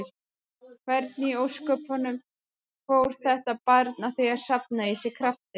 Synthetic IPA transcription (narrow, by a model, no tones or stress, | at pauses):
kʰvɛɾt̪̚niowskœːphɔnːʏm | fowɾ̥θɛht̪apaɾt̪naθijaɾ̥sap̚naisɛɾkʰɾaft̪ɪ